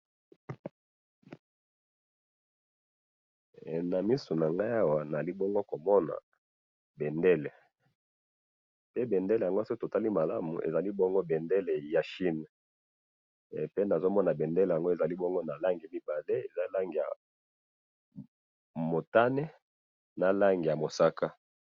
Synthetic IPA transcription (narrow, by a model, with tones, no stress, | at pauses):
na˨mi˦su˨na˨ŋɡa˦ja˦wa˨na˨a˨li˦bɔ˦ŋɡo˦ko˨mɔ˦na̰˨ | be˨nde˦le˨ | pe˦be˨nde˦le˨ja˨ŋɡo˦so˦to˨ta˦li˦ma˨la˦mṵ˨ʔḛ˨za˨li˦bɔ˦ŋɡo˦be˨nde˦le˨ja˨ʃi˦n˨ | pe˦na˨zo˦mɔ˦na˨be˨nde˦le˨a˨ŋɡo˦e˨za˨li˦bɔ˦ŋɡo˦na˨la˦ŋɡi˨mi˦ba˨le˦e˨za˦la˦ŋɡi˨ja̰˨ | mo˨ta˦ne˦ | na˨la˦ŋɡi˨ja˨mo˨sa˦ka˦